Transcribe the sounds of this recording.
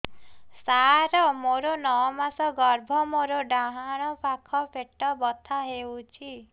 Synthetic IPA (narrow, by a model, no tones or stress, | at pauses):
saɾɔmoɾonɔwɔmasɔɡɔɾbʱɔmoɾoɖaɦaɽ̃ɔpʰakʰɔpʰeʈɔbɔt̪ʰaɦewt͡ʃʰi